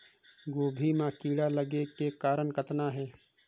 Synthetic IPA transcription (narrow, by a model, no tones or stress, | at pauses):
ɡoːbʱimãːkiːɽaləɡekekaːɾəɳkət̪naɦɛː